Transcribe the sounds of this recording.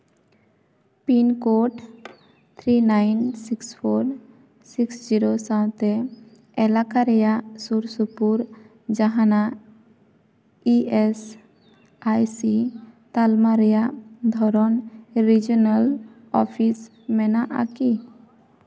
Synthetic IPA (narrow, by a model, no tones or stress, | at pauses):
pinkoʈ | t̪ʰɾinajnsikspʰoɾ | siksd͡ʒiɾosãw̃t̪ɛ | ɛlakaɾɛjasuɾsupuɾ | d͡ʒaɦãna | ies | ajsit̪almaɾɛjad̪ʱɔɾɔnɾid͡ʒɔnəl | ɔpʰis | mɛnaʔa̰ki